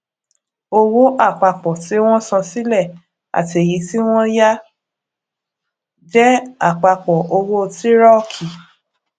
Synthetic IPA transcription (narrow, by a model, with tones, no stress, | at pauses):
o˧wo˦ʔa˦˨k͡pa˧k͡pɔ˨ti˨˦w̃ɔ̃˦sɔ̃˧si˦lɛ˦˨ | a̰˨ti˨e˨ji˨˦ti˦w̃ɔ̃˦ja˦ | d͡ʒɛ˦a˦˨k͡pa˧k͡pɔ˨ʔo˧wo˦˧ti˦ɾɔ˦˨kʰi˨